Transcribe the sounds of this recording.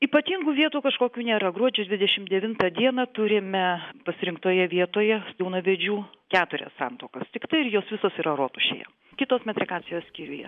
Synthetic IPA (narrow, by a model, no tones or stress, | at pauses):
iːpɐt̪ʲiːŋɡuːʋʲiɛt̪uːkɐʃkoːkʲuːnʲeːɾɐɡɾuɔd͡ʒʲudʲʋʲɪd̪ʲɛʃʲɪmd̪ʲɛʋʲɪnt̪ɐd̪ʲiɛnɐt̪ʊɾʲɪmʲɛpɐsʲɪɾʲɪŋkt̪oːjɛʋʲiɛt̪oːjɛsjʲɛʊnɐʋʲɛd͡ʒʲuːkʲæːt̪ʊɾʲɛ̰ssɑ̰nt̪oːkɐst̪ʲɪkt̪ɐɪɪɾjoːsʋʲɪsoːsiːɾɐɾoːt̪ʊʃʲḛːjɛ̰ | kʲɪt̪oːsmʲɛt̪ʲɾʲɪkɑːt͡s̪ʲɪjoːssʲkʲiːɾʲʊjɛ̰